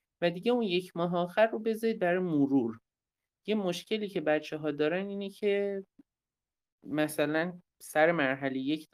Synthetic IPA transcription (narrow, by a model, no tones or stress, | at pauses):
væd̪iɟe̞unje̞cʰmɒːɦeɒːxæɾːobe̞zɒiːd̪̚bæɾɒjemoɾuɾ | jemoʃcʰe̞liːcʰe̞bæt̪t͡ʃʰeɦɒːd̪ɒːɾæniːnecʰe̞ | mæsælæn | sæɾe̞mæɾɦælejecʰ